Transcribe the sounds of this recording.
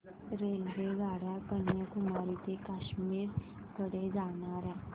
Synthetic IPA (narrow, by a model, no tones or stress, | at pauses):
ɾelʋeɡaɽjakəɳjəkumaɾit̪ekaɕmiːɾ | kəɽed͡zaɽ̃aɾɛ̃